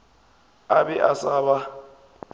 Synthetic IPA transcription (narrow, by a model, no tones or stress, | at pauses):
abɛʔasaːβa